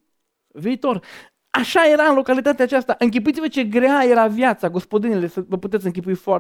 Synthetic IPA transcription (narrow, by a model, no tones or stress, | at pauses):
viːt̪or | aʃajeɾaɨnlo̞kalit̪at̪eat͡ʃast̪aʔɨŋk̬ʲip̬uit̪ivət͡ʃeɡɾeajeɾavjat̪saɡo̞spod̪inelesəvəput̪et̪sʲɨŋk̬ʲipuifo